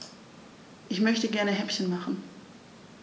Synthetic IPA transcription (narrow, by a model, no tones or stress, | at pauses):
ʔɪçmœçtəɡɛɐnəɦɛpçənmaχn̩